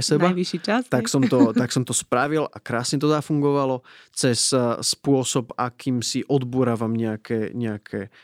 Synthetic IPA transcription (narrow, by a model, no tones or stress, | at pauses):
sɛbaʋiʃit͡ʃast̪aksɔmt̪ɔt̪aksɔmt̪ɔspɾaʋila̰kɾaːsɲɛt̪̬ɔzafuŋɡɔʋalɔt͡sɛsspʊɔsɔbakiːmsiʔɔd̪buɾaːʋamɲɛakʰɛɲɛakʰɛː